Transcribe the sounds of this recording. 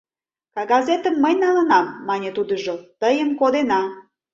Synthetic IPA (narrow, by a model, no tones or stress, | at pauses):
kɑɡɑzet̪əmːəjnɑlənɑmːɑnʲet̪ud̪əʒot̪əjəmkod̪enɑ